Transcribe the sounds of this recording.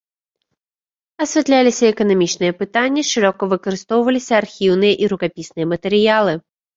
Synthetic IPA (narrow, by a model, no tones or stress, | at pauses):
ɐsʲvʲɛt̪lʲalʲisʲɐɛkɐnamʲit͡ʂnɨjɛpɨt̪anʲːɐʂɨɾɔkɐvɨkɐɾɨst̪ɔwvɐlʲisʲɐarxʲiwnɨjɐʔiɾukapʲisnɨjɐmɐt̪ɛɾɨjalˠɨ